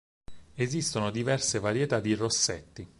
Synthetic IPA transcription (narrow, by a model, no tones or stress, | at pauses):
ezist̪onod̪ivɛrsevaɾjet̪ad̪ːirosːet̪ːi